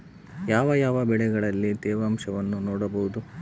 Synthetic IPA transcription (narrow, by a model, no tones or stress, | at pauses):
jaːʋɐjaːʋɐbɛɭɛɡɐɭɐlːid̪ɛːʋɐːmʂɐʋɐnːunoːɽɐbɐɦud̪u